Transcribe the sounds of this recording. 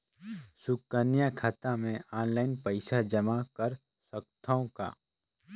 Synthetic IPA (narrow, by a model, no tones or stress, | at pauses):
sʊkːənjakʰaːt̪amẽaːnlaːɪnpəɪsad͡ʒɐmakəɾ | səkt̪ʰaõka̰ː